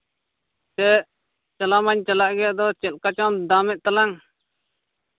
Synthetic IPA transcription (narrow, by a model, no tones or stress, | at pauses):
sɛʔ | t͡ʃəlamaɲt͡ʃəlaʔɡɛjaʔd̪ɔt͡ʃɛlkat͡ʃãd̪amɛʔ̚t̪alaŋ